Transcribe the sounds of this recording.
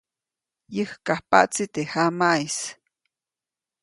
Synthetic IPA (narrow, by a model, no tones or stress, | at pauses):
jəhkahpa̰ʔt͡sit̪ehamais